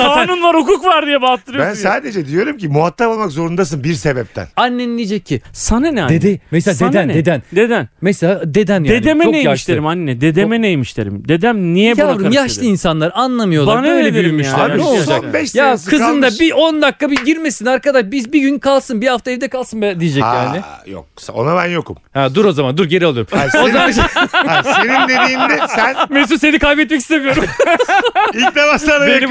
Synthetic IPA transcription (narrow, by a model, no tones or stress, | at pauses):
anunlˠaɾhukukvaɾd̪ijɛbat̪ʰːɯɾjænsaːd̪ed͡ʒɛd̪ijo̞ɾumcimuɦat̪ʰːapalˠmakzo̞ɾund̪as̬ɯnbiɾsebɛp̚t̪ʰæ̰nanːenilʲijd͡ʒɛcʰːissananɛd̪ed̪emɛsad̪end̪ænnd̪ed̪ænd̪ed̪ænmɛsead̪e̞d̪ænjd̪ed̪emeoejaʃleɾimanːenɛd̪ed̪emenejmiʃlʲeɾḭmd̪ed̪æmnijɛbaɾɯmjaʃlˠɯinsanlˠaɾanlˠamɯjoanaed̪eɾmiʃad͡ʒbɛʃjakʰɯzɯnd̪abiʔond̪akːabiɟiɾmesinaɾkad̪aʃbizbiɟynkʰalˠsɯnbihaft̪aɛvd̪ɛkʰalˠsɯnbɛd̪ijed͡ʒɛjaːnɪjo̰kso̰nabænjokumhad̪uɾo̞zamand̪uɾɟe̞ɾɛlˠuɾumozamanasenind̪eijind̪ɛsænmes̬usse̞nikʰajbɛt̪mɛc̬i̥st̪emyjo̞ɾum | id̪emaʃˠaɾbeni